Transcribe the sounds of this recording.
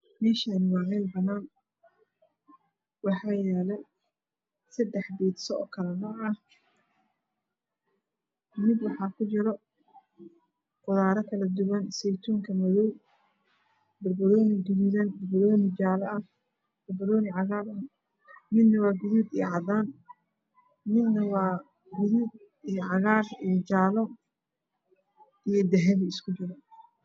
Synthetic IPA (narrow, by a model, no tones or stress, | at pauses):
mɛːʃanɪwɑːʕɛjlbɐnaːn | wɑħɑːjɛːlɛ | sɐd̪ɛħbiːd̪sɔɔ̰ːkʰɐlɛnɔːʕɐh | mɪd̪wɑħɑːkʰʊt͡ʃɪɾɔ | qʊðaːɾɐkʰɐlɐd̪ʊwɐnsɛjt̪ʰuːŋkʰɐmɐðɔw | bɐrbɐɾɔːnɪɡʊððɐnbɐrbɐɾɔːnɪt͡ʃaːlɐɐ | bɐrbɐɾɔːnɪʕɑɣaːɾɐ | mɪd̪nɐwɑːɡʊðuːd̪ijʕɑd̪aːn | mɪd̪nɐwɑː | ɡʊðud̪ | ijʕɑɣaːrijɔt͡ʃaːlɔ | ijɞd̪ɛɦɛðɐɪskʰʊt͡ʃɪɾɐ